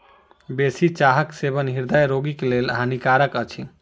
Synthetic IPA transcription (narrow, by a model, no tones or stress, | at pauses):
besit͡ʃaɦəkseβənɦiɾd̪əjɾoɡiklelɦanikaɾəkət͡ʃʰi